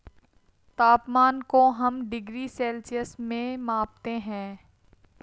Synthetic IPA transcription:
t̪aːpmaːnkoɦɐmɖɪɡɾisɛːlsijəsmẽmãːpt̪eɦɛ̃ː

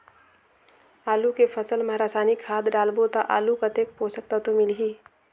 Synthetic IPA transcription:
aːlukepʰəsəlmaɾaːsaːnikʰːaːd̪ɖaːlbot̪aʔa̰ːlukət̪ek̚poːsək̚t̪at̪omɪlɦiː

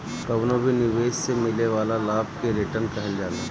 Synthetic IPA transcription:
kɐbnobʱinɪʋeːʃsemɪleʋaːlalaːb̚keɾɪʈəɾnkɐɦəld͡ʒaːlaː

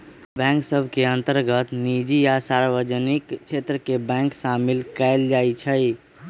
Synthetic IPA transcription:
bɛ̃ŋksəbʱkeənt̪əɾɡət̪nid͡ʒijasaɾʋəd͡ʒənikt͡ʃʰet̪ɾəkebɛ̃ŋksamilkɛɪld͡ʒajt͡ʃʰəj

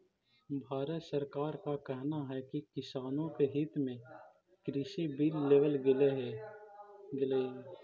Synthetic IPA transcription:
bʱaːɾət̪səɾkaːɾkakɛɦnaɦɛkikɪsaːnõkeɦɪt̪mẽ | kɾɪʃibilːeːʋəlɡle | ɡɪleː

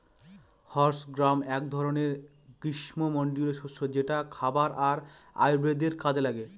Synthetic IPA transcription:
hɔɾsɡɾamɛk̚d̪ʱɔɾoneɾ | ɡɾiʃmomɔɳɖileʃoʃod͡ʑeʈakʰabaɾaɾa̰jbɾed̪eɾkad͡ʑelaɡe

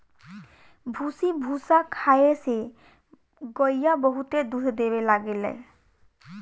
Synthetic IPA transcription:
bʱusibʱusakʰajese | ɡɔjːabɔɦut̪ed̪utʰd̪ebɛlaɡɛlɛ̰j

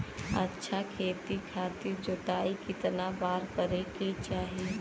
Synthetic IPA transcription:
ɐtːʃʰakʰeːt̪ikʰaːt̪iɾd͡ʒoʈaːikɪt̪nabaːɾkəɾeket͡ʃaːɦi

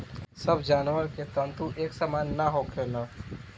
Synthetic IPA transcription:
səbʱd͡ʒaːnʋəɾket̪ənt̪uʔeksəmanːaɦokʰena

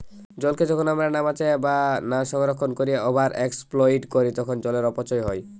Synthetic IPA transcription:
d͡ʑɔlked͡ʑɔkʰonamɾaɾnamat͡ɕʰebanaʃɔŋɾokʰːonkoɾijeɔbʱaɾʔeksploiʈkoɾit̪ɔkʰond͡ʑɔleɾɔpot͡ɕɔjɦɔj

